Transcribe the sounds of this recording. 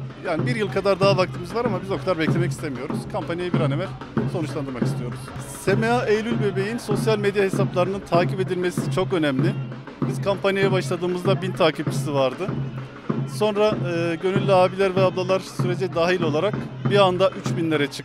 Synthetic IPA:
jaːnibiɾjɯlˠkʰad̪aɾd̪aɦavak̚t̪ʰɯmɯzvaɾamabizo̞kad̪aɾbɛclʲe̞mɛc̬ist̪emijo̞ɾuz̥kʰampʰanjajibiɾanemælʲ | so̞nuʃlˠand̪ɯɾmakist̪ʰijo̞ɾuz̥se̞meaʔejlʲylʲbebe̞jinso̞sjalʲmed̪jahe̞saplˠaɾɯnɯnt̪ʰaːcʰipe̞d̪ilʲme̞sit͡ʃʰo̞kø̞næmlʲɪ | biz̥kʰampʰanjajɛbaʃlˠad̪ɯːmɯzd̪abint̪ʰaːcʰib̚t͡ʃʰi̥sivaɾd̪ɯ | so̞nɾaɯːɟø̞nylʲːaːbilʲæɾvɛablˠalˠaɾsyɾe̞d͡ʒɛd̪aːɦilʲolˠaɾakbiand̪aʔyt͡ʃbinlʲe̞ɾɛt͡ʃʰɯ̥k

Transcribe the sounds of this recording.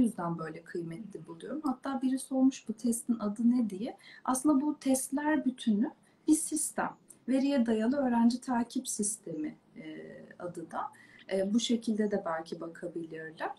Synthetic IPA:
yzd̪ænbø̞jlʲɛkʰɯjmɛt̪lʲibulˠujo̞ɾumhat̪ʰːaːbiɾiso̞lˠmuʃbut̪ʰɛst̪ʰinad̪ɯnɛd̪ijɛa̰sɯnd̪abut̪ʰɛst̪lʲæɾbyt̪ʰyny | b̥isist̪ʰæ̰m | ve̞ɾijɛd̪ajalˠɯø̞ːɾænd͡ʒit̪ʰaːcʰipsist̪ʰe̞mi | a̰d̪ɯd̪aːbuʃe̞cʰilʲd̪ɛd̪ɛbælʲcʰibakʰabilʲiɾlʲæ̥

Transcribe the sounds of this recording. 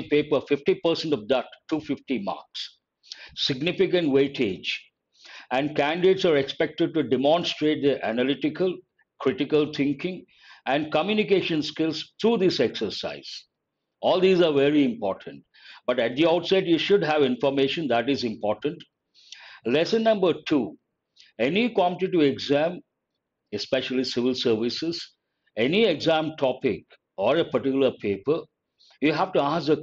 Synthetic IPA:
peːpəfɪfʈipəɾsɛ̃ɳʈɔfd̪ətːuːfɪfʈima̰ːɾks | sɪɡnɪfɪkə̃ɳʈweːʈʰeːd͡ʒ | æ̃ɳɖ̚kæ̃nɖɪɖeːʈsaɾekspɛk̚ʈəɖ̚ʈuɖɛmɔ̃nsʈɾeːʈ̚d̪iʔæ̰nəlɪʈɪkəl | kʰɾɪʈɪkəlt̪ʰɪ̃ŋkɪ̃ŋ | æ̃ɳɖ̚kəmjunikeːʃə̃nskɪlzt̪ʰɾuːd̪ɪsɛksəɾsa̰ɪz̥ | ɔːlˠd̪iːzaʋɛɾiɪ̃mpɔːɾʈʰə̃nʈ | bʌʈæʈ̚d̪iaʊʈsɛʈjuːʃʊɖɦæʋɪ̃nfɔɾmeːʃə̃nd̪æʈɪzɪ̃mpɔːɾʈə̃ɳʈ | lɛsə̃nːʌ̃mbəɾʈʰuː | enikwɔ̃mpʈɪʈɪʋeɡzæ̃m | espeʃəlisɪʋɪlsəɾʋɪsɪz | enieɡzæ̃mʈʰɔpɪk | ɔːɾepəʈɪkjʊləɾpʰeːpəɾ | juɦæʋʈuãːzə

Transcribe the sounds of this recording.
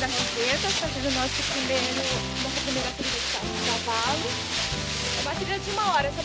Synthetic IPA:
d̪ɐɦezet̪ɐfazẽd̪ʊnɔsʊpɾimejɾʊ | nɔsɐpɾimeɾɐt̪ɾiist̪a | ɡɾavalʊ | ɛmat̪eɾiɐd͡ʒɪũmɐɔɾɐso

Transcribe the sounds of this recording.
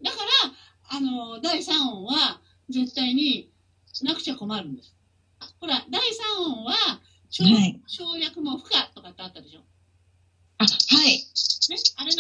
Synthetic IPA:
d̪akaɾaː | no̞d̪aisãɰ̃õβa | ze̞t̪ːaiɲ̟i | nakɯ̟̥t͡ɕako̞maɾɯ̟̃nd̪e̞sɨ̥ | aho̞ɾad̪aisãɰ̃õβa | ɕoːɕo̞ːjakɯ̟mo̞ɸɯ̟̥kat̪ːo̞kat̪ːeaːt̪ːad̪e̞ɕo̞ː | ahaine̞aɾen

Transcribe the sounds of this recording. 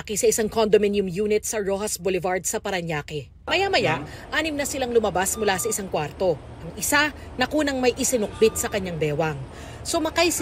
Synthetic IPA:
kisɐʔɪsaŋkond̪omɪnjʊmjuːnɪt̪̚sɐɹohɐsbolɪvaɹd̪̚sɐpɐɾɐɲjaːkɛ | mɐjamɐjaʔʔaːnɪmnɐsɪlaŋlʊmɐbasmʊlasɐʔɪsaŋkwaɾt̪o̞ | ʔɐŋʔɪsa | nɐkuːnɐŋmɐjʔɪsɪnʊk̚bɪt̪̚sɐkɐɲːaŋbɛːwɐŋ | somɐkajs

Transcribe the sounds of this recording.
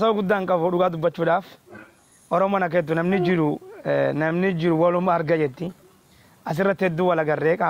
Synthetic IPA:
ɐsoːɡʊd̪ːaːŋkʼɐbɔᶑʊɡaːd̪ʊbːɐt͡ʃːuːᶑaːf | ʔɔɾɔmɔːnɐk̬eːt̪ːʊnɐmnɪd͡ʒɪɾʊnɐmnɪd͡ʒɪɾʊwɐlʊmːaːɐɾɡɐd͡ʒɛt̪ːɪ | ʔɐs̬ɪrːɐt̪ːɪhɛd̪ːuwɐlɐɡɐrːeːkʼa

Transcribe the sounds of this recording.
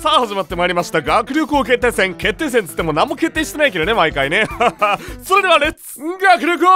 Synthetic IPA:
sahaʑimat̪ːe̞maiɾʲimaɕi̥t̪aɡakɯ̟ɾʲokɯoke̞t̪ːesẽŋke̞t̪ːe̞ːs̬ẽnt̪ɨ̥t̪ːemo̞nãmːo̞ke̞t̪ːeːɕi̥t̪enaike̞ɾonemaikaine̞ | so̞ɾe̞d̪e̞βaɾet͡sɨ̥ɡakɯ̟ɾʲok̬ɯ

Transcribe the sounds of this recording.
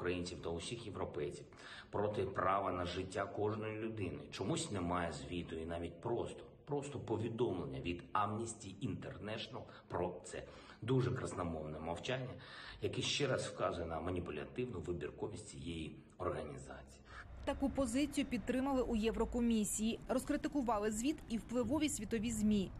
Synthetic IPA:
ʊkɾɐjinʲt͡sʲiwt̪ɐʊsʲixjewɾɔpɛjt͡sʲiw | pɾɔt̪ɪpɾɑʋɐnɐʒɪtʲːakɔʒnɔjilʲʊd̪ɪnɪ̰t͡ʃɔmusʲtʲnɛmɑjɛzʲʋʲit̪ɔjinɑʋʲit̚ʲpɾɔst̪ɔ̥ | pɾɔst̪ɔpɔʋʲid̪ɔmlˠenʲːɐ̰ʋʲid̪amnʲisʲtʲiint̪ernɛʃɔnɐlˠ | pɾɔt̪sɛ̰ | d̪uʒɛkɾɐsnɐmɔʋnɛmɐwt͡ʃanʲːɐjɐkɛʃt͡ʃɛɾɑswkɑzʊjɛnɐmɐnʲipʊlʲɐ̰t̪ɪwnʊʋɪbʲḭrkɔʋʲisʲtʲt͡sʲijeji | ɔrɦɐnʲizɑ̰t͡sʲi̥jit̪ɐkupɔzɪt͡sʲijʊpʲid̪̚t̪ːɾɪmɐlˠɪʔujɛʋɾɔkɔmʲisʲijirɔskɾɪt̪ɪkʊʋɑlˠɪzʲʋʲit̪iwplˠɪʋɔʋʲisʲʋʲit̪ɔʋʲizʲmʲi

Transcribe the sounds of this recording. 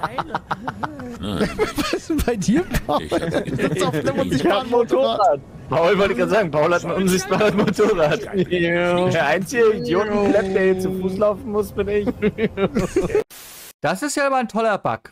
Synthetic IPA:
vasb̥aɪdiːɐpa | ʊan̩motʰoːʁaːt̚ | pʰaʊlvɔltəɪçɡ̥ʁaːtzaːɡŋ̩pʰaʊlhatn̩ʔʊnzɪçt̚b̥aːʁəsmotʰoːʁaːt | deːɐʔaɪnt͡sɪɡəɡjʊɡ̩klɛp̚d̥ɛɐjɛt͡sufuːslaʊfn̩mʊsb̥ɪnɪç | d̥asɪstjaabɐntʰɔlɐb̥a̰k

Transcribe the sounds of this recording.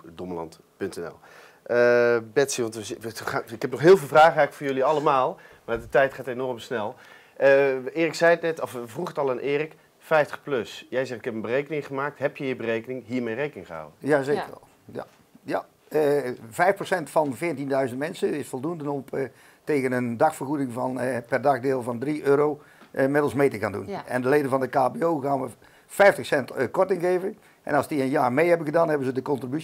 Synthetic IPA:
dɔməlɑ̰nt | pɵntɛnɛ̰lˠ | əbɛtsiʋɑntʋəɪkɦɛpnɔχɦɪːlˠvɪːlˠvraːχəaːkfʊːɹjɵliɑləmaːlˠ | maːdətɛjtχaːtenɔrmsnɛlˠ | əɪːrɪksɛjnɛtɔfvruχətɑlˠanʔɪːrɪk | fɛjftə̥χpløsjɛjzɛχtɪkɛpənbərejkənɪŋχəmaːk̚tɦɛpjəɦiːɹbərejkənɪŋɦiːɹmejrejkənɪŋχəɦa̰wənjazeːkər̰ | ja̰ | ja | vɛjfprosɛntfɑnvɪːtindœɥzəntmɛnsəɪsfolˠdundənɔ | teːɣənəndɑxfərɣudɪŋvɑnpɛrdɑxdɪːlˠvɑndriʔøːɾow | mɪdəl̩ˠsmeːtəkaːndṵnɛ̰ndəleːdənvɑndəkaːpeoːɣaːnʋə | fɛjftəχsɛntkɔɹtɪŋɣeːvə | ʔɛ̰nɑlˠsdiənjaːrmejɦɛbənɣədaːnɦɛbənzədəkɔntriby

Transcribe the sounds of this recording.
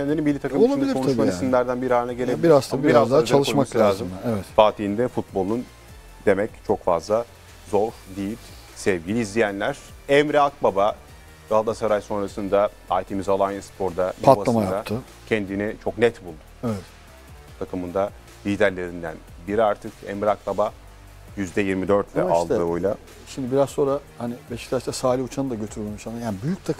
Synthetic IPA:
ɛnʲeɾinbilʲːit̪ʰakɯmoaanilʲikoʃmaiisimʲæɾd̪ænbiɾiaːɾɯnaɟelʲebiɾazaamabiɾazd̪aːzt͡ʃ̪alˠʃomaaslulʲaːzɯmɛvɛt̪faːt̪ʰiind̪ɛfut̪̚bo̞lˠun | d̪e̞mɛct͡ʃʰo̞kfazlˠa | zo̞ɾd̪ijilʲ | sɛvɟilʲiizlʲijænlʲæɾ̥ | ɛmɾiak̚baba | ɡ̪alˠd̪asaɾajso̞nɾasɯnd̪a | ajt̪ʰemizalˠanjɯspʰo̞ɾd̪aat̪alˠamajad̪at̪ʰɯ | cʰɛnd̪init͡ʃʰo̞knɛt̪bulˠd̪ʊ̥ɛvɛt̪ | t̪ʰakʰɯmɯnd̪a | lʲiːd̪æɾlʲe̞ɾind̪æ̰nbiɾaɾt̪ʰɯkʰɛ̰mɾiak̚baba | jyzd̪ɛjiɾmid̪øɾt̪vɛʔalʃˠd̪ɯojlˠa | ʃimd̪ɪbiɾazso̞nɾahanɪbeʃi̥ct̪ʰat͡ʃt̪asaːlʲiut͡ʃʰanɯd̪aɟøt̪ʰyɾmʲemiʃanajaːnibyjyc̚t̪ʰakʰɯm

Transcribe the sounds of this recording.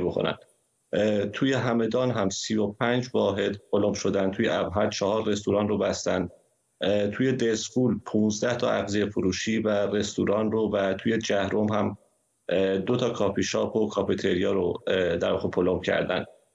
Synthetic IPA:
bokʰo̰næ̰n̥ | t̪ʰuːje̞ɦæme̞d̪ɒːnɦæmsio̞p̚ʰænd͡ʒvɒːɦe̞d̪pʰolomʃo̞d̪ænt̪ʰuːjḛʔæbɦæd̪̥̚t͡ʃʰɒhɒːɾːe̞st̪uɾɒːnrobæst̪ænd̪̥ | t̪ʰuːje̞d̪esfuːlpʰũːnzd̪æht̪ʰɒ̰æɣzejefuɾuːʃiːvære̞st̪ṵɾɒːnrovæt̪ʰuːje̞d͡ʒæhɾomhæm | d̪ot̪ʰɒːkʰɒːpiʃɒːpʰokʰɒpit̪ʰeɾijɒːɾod̪æɾvɒːɣepʰolomcʰæ̰ɾd̪æ̰nd̪̥

